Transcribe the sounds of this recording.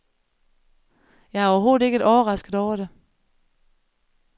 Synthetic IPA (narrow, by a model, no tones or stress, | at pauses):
jɑ̈ɪæɐɒɐɦo̝ːð̩ˠe̝ɡ̥əedɒːɐʁɑ̈sɡ̥əð̥̩ˠɒʊ̰ɐɾe